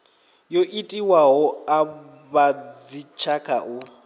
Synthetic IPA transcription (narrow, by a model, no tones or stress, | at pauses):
joʔitʼiwaɦɔa | βad͡zit͡ʃʰakʰaʔu